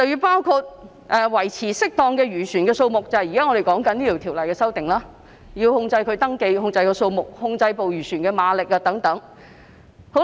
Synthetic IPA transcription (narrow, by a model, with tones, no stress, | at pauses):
t͡sɐ˨wjyː˧paː˥wkʰu˧t̚ | ʔɛː˨wɐ˨˩jt͡sʰiː˨˩sɪ˥k̚t̪ɔː˧ŋkɛː˧ɥyː˨˩sʰyː˨˩nkɛː˧so˧wmʊ˨k̚t͡sɐ˨˧hɐ˨jiː˨˩kaː˥ŋɔ˨˧ɾe˨˩jkɔː˨˥ŋkɐ˨˥niː˥t̪iː˨˩wt̪ʰi˨˩wlɐ˨˩jkɛː˧sɐ˥wt̪ɪ˨ŋlaː˥ | jiː˧whʊ˧ŋt͡sɐ˧jkʰɵ˨˧ɥt̪ɐ˥ŋke˧jhʊ˧ŋt͡sɐ˧jkɔː˧so˧wmʊ˨˩k̚hʊ˧ŋt͡sɐ˧jpo˨wjyː˨˩sʰyː˨˩nkɛː˧maː˨˧lɪ˨k̚aː˧t̪ɐ˨˥ŋt̪ɐ˨˥ŋ | ho˨˥w